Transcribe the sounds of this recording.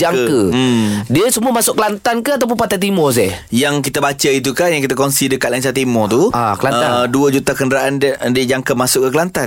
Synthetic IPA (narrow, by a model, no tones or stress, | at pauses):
d͡ʒaŋkədiəsəmuəmasʊʔkəlant̪ankəat̪awp̬ʊnpat̪ajt̪̬imɔs̬ɛhjaŋkit̪abat͡ʃəit̪̬ukahjaŋkit̪̬akɔnsidəkat̪̚lainsat̪imɔt̪uaklaəaduəd͡ʒut̪akəndəɾaʔandiəd͡ʒaŋkəmasʊʔkːəkəlant̪a